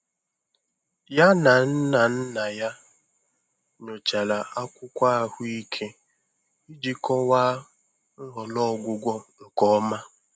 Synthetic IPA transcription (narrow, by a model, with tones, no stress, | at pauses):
ja˦na˨n̩˦na˨n̩˦na˨ja˦ | ɲo˨t͡ʃa˨la˨a˦kʷʊ˦kʷa˦a˨hʊ˦i˦kʰe˦ | i˦d͡ʒi˦kɔ˦waː˦ | ŋ̩˦ɦɔ˨lɔ˦˨ɡʷʊ˦ɡʷɔ˦ŋ̩˨kɔ˦ma˦